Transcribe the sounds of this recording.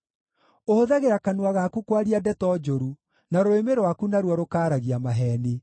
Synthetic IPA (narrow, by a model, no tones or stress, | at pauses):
ohoðɛɣeɾakanwaɣakukwaɾiadɛtɔd͡ʒoɾu | naɾoemeɾwakunaɾwɔɾokaːɾaɣiamaɦɛne